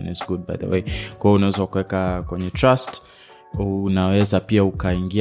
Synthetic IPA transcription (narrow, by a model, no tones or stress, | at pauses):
nizɡud̚ba̰jðə̰wḛjkwajɔunawɛzawakuwɛkakwɛɲɛtɹast | unawɛzapiaukaiŋɡi